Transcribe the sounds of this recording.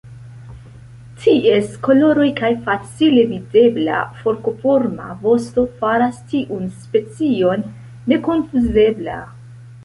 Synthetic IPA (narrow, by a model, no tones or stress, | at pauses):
tʰiʔe̞sko̞lo̞ɾo̞jkajfat͡sile̞vide̞bla̰fo̞ɾko̞fo̞ɾma̰vo̞sto̞faɾastiʔunspe̞t͡sio̞nː | e̞ko̞nfuze̞bla̰